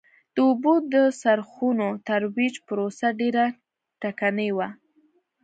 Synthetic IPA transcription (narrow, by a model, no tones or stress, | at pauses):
d̪̥əubod̪əsaɾxunot̪aɾwid͡ʒpəɾosaɖeɾa | ʈakanəjwa